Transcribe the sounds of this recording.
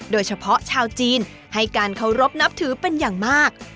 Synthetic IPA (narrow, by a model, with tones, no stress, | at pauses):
doː˧jt͡ɕʰa˧pʰɔ˦˥t͡ɕʰaː˧wt͡ɕiː˧n | ha˥˩jkaː˧nkʰa˨˩wɾo˦˥p̚na˦˥p̚t̪ʰɯː˨˩˦pe˧njaː˨˩ŋmaː˥˩k̚